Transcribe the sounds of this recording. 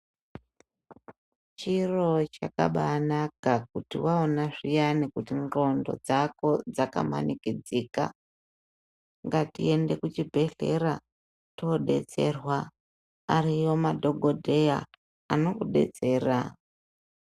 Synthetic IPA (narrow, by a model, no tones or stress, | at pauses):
t͡ʃiro̞t͡ʃaka̰ɓaːnakak̚utiwaonaʐijanikutiŋro̞ndo̞̰d͡zako̞d͡zaka̰ma̰nikid͡zika̰ | ŋɡatie̞nde̞kut͡ʃibʱe̞ɬe̞ɾa | to̞ɗe̞̰t͡se̞rwaː | rijo̞madʱo̞ɡʱo̞dʱe̞ja̰ː | no̞kuɗe̞̰t͡se̞ːra